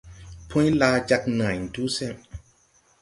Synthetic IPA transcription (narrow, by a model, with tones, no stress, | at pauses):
pʰũ˦jla˧d͡ʒa˧knã˨jn̩˨tu˦sɛ˦˨m